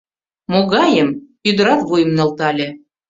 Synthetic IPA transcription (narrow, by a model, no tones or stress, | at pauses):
moɣɑjəm | yd̪ə̆ɾɑk̪βujə̆mnɤ̆lt̪ɑlʲe